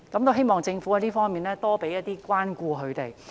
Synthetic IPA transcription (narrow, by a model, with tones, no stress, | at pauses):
kɐ˨˥mt̪o˥wɦe˥jmɔː˨˩ŋt͡sɪ˧ŋfu˨˥a˨˧t̪iː˥fɔː˥ŋmiː˨˩nlɛː˥t̪ɔː˥pe˨˥jɐ˥t̚t̪iː˥kʷwaː˥nkuː˧ɦɵ˨˧ɥt̪e˨˩j